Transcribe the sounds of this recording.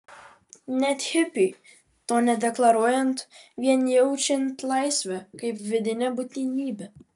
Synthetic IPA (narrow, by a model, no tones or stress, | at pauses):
nʲɛt̪ʲhɪpʲi | t̪oːnʲɛd̪ʲɛklˠɐɾuɔjɛnt̪ʋʲiɛnjɛʊt͡ʃʲɪnt̪lˠɑjsʲʋʲɛkɐɪpʋʲɪd̪ʲɪnʲɛbut̪ʲnʲinʲiːbʲɛ